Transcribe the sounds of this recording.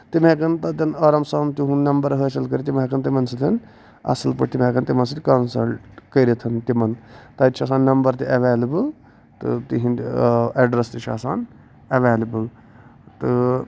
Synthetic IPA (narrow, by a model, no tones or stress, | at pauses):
t̪imekɐnt̪ɐt̪ɐnɐːɾɐmsaːnt̪iɦũnɐmbɐɾɦət͡ʃɐlkɐɾit̪imekɐnt̪imɐnsɐt̪ʰɐn | ɐ̰sɐlpɐʈt̪imẽːkɐnt̪imɐns̬ɐt̪ikɐnsɐlʈkɐiɾit̪ʰɐnt̪imɐnt̪ɐt̪ːt͡ʃʰas̬aːnːɐmbɐɾt̪iʔɐʋeːlɐbɨl | t̪ɨ̰t̪iɦĩneɖɾɐst̪it͡ʃʰa̰ːsaːn | ɐʋeːlɐbɨl | t̪ɨ